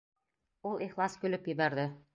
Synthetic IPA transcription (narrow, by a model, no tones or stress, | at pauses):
ulˠiχlˠɑskɵ̆lɵpjɘ̆βæɾðɘ